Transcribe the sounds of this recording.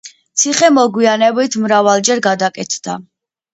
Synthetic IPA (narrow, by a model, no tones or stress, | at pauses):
t̪sʰiχɛmɔɡwianɛbit̪ʰmɾavalˠd͡ʒɛɾɡad̪akʼɛt̪ʰd̪̥a̰